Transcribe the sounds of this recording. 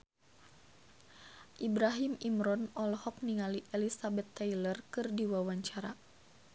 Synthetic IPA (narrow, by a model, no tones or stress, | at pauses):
ʔibɾaɦimimɾɔnɔlhɔk̚niŋaliʔɛlisabɛt̪ːajlərkɨrdiwawaɲt͡ʃaɾa